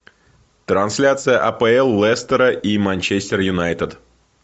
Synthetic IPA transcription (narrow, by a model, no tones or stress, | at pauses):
t̪ɾɐnsʲlʲat̪sɨjəʔɐpɛɛlˠːɛst̪əɾəʔimanʲt͡ɕesʲtʲɪrjʊnajt̪əd̪